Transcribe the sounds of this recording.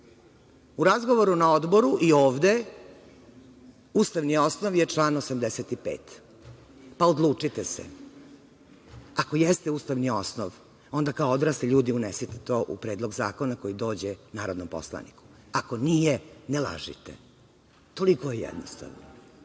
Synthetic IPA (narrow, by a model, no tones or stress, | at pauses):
uɾazɡo̞ʋo̞ɾunaod̪bo̞ɾuʔioːʋd̪e | ust̪aʋnio̞snoʋjet͡ʂlˠaːnosamd̪eset̪ipeːt̪ | paod̪lˠuːt͡ʂit̪esḛ | ako̞jest̪euːst̪aʋnio̞snoʋ | o̞nd̪akaood̪ɾaːst̪eʎuːd̪iunesit̪e̥t̪o̞ːʔṵpɾeːd̪lo̞ɡzaːkonako̞jid̪oːd͡ʑenaːɾo̞d̪nompo̰slˠa̰nḭku̥ | ako̞nijenelˠa̰ʒḭt̪ḛ | t̪o̞likojejɛ̰d̪nost̪a̰ʋno